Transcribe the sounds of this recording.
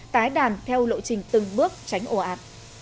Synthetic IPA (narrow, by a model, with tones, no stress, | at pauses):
t̪aː˨˦jɗaː˨˩nt̪ʰɛ˧wlo̰˧˨t͡ɕï˨˩ŋ̟t̪ɨ˨˩ŋɓɨ˦˥ək̚t͡ɕa˨˦jŋ̟ʔo˧˩ʔaː˨˩p̚